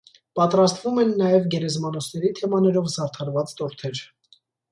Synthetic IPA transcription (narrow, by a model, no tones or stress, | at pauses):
pɑt̪ɾɑst̪vumɛnːɑjɛvɡɛɾɛzmɑnɔsnɛɾit̪ʰɛmɑnɛɾɔvzɑɾt̪ʰɑɾvɑt͡st̪ɔɾt̪ʰɛɾ